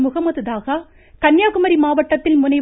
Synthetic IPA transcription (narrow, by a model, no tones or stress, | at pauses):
mʊɣɐmɐðɯðaːɣɐ | kɐnjaːɣɯmɐɾimaːʋɐʈːɐt̪ːɪlmʊnɐɪ